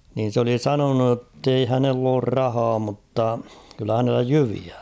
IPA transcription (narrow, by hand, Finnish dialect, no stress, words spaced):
nin̞ s oli sɑnonu tːei hænelː oːr rɑhɑː mutːɑ kylːæ hænelːæ jyʋiæ